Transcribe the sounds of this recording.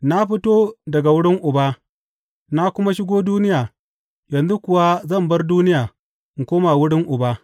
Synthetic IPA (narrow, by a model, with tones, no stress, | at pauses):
na˦ɸɪ˦toː˦dɐ˨ɡa˨wʊ˦ɽɪ˦ŋʔʊ˨baː˦ | na˦kʷʊ˦ma˦ʃɪ˦ɡoː˦duː˦nɪ˦jaː˨ | jɐ˨nzu˦kʷʊ˨wa˦zɐ˦˨mbɐ˦rduː˦nɪ˦jaː˨ | ŋ̩˨kʷoː˦ma˨wʊ˦ɽɪ˦ŋʔʊ˨baː˦